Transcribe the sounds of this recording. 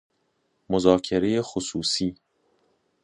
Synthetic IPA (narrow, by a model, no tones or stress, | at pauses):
mozɒːkʰeɾe̞jexosuːsiː